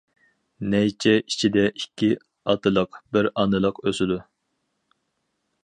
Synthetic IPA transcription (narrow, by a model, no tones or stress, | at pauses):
nɛjt͡ʃʰɛʔit͡ʃʰid̪ɛʔikʲʰːi | ɑt̪ʰɨlˠəqbɪɾɑnɨlˠəqøsɪd̪u